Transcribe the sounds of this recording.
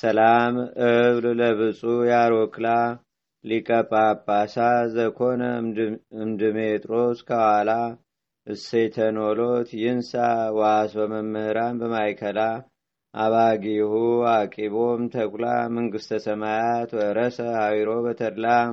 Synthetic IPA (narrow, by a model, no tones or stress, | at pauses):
səlamɨβlləβɨsʼujaɾɔkla | likʼəpʼːabʼasazəkʰo̞nəɨmd̪ɨmet̪ʼɾoskʰəwhala | ʔɨset̪ʰənolot̪jɪnsawasbəməmːəhɾambəmajkʰəla | ʔaβaɡihuakʼiβomt̪ʰəkʷla̰mɨŋɡɨst̪ʰəsəmajat̪wəɾəsəhawiɾo̞bət̪ʰəɾla